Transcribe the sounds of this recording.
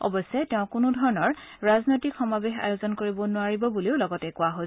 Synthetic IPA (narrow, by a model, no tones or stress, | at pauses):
ɔ̰bɔsɛtɛʊ̃kʊnʊdʱɔɹɔnɔɹɹaznojtikxɔmabexa̰jozɔnkoɹibɔnʊaɹibɔbuliʊlɔɡɔtɛkʊwaɦo